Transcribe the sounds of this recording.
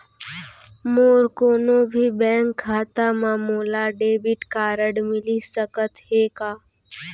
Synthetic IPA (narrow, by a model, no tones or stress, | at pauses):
moːɾkoːnobʱibɛ̃ːŋkʰːaːt̪amãːmoːlaɖeːbɪʈkaːɾəɽmɪlisəkət̪heːkaː